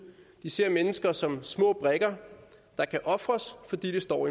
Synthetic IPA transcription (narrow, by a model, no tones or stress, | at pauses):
d̥ise̝ɐ̰menəsɡ̥ɐsɒ̽msmɔ̰̽ːb̥ʁɛɡ̥ɐ | d̥ɑ̈kʰæʔɒ̽fʁɐsfɒ̽d̥ḭːd̥esd̥ɒ̰ːi